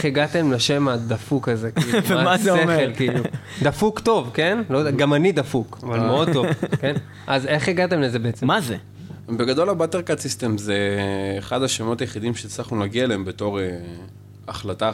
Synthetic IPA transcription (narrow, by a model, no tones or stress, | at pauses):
eχeɡat̪e̞mleʃe̞mad̪afukaze̞kiːuvamazeeeelkiːlu | d̪afukt̪o̞vkenlodɡamanid̪afukavalmeo̞d̪̚tovken | ʔazeχeɡat̪e̞mleze̞beet͡semaze | be̞ɡad̪o̞labat̪eʁkasist̪emzeːχad̪aʃemo̞t̪ajeχid̪imʃet͡slaχnulaɡiaeleembe̞to̞ʁe | aχlata